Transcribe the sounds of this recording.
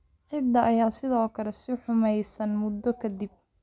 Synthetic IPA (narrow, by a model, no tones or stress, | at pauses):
ʕɪd̪ɐʔɐjaːsɪðɔːkʰɐlɛsɪħʊmɛjsɐnmʊd̪ɔkʰɐd̪ib̚